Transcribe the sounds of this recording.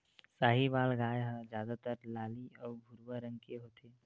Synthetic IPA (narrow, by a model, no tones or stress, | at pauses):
saːɦibaːlɡaːjɦɛ̃d͡ʒjaːd̪at̪əɾlaːliɔːɾbʱʊɾwəɾə̃ŋɡkeɦoːt̪ʰeː